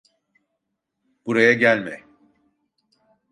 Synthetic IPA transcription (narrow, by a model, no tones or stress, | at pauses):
b̥uɾajaɟælʲmɛ